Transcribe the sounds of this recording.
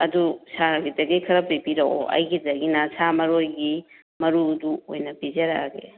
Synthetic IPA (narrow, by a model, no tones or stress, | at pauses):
ɐdusaɾɐɡidɐɡejkʰɐɾɐpijpiɾɐo̰ɐ̰jɡidɐɡinasamɐɾojɡi | mɐɾuduojnɐpizɐɾa̰ɡḛ